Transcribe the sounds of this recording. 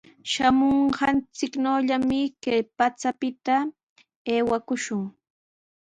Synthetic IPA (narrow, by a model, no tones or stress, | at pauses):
ʃamoɴɢɑnt͡sɪknowʎamɪkajpat͡sapɪt̪a | eːwakʊʃʊŋ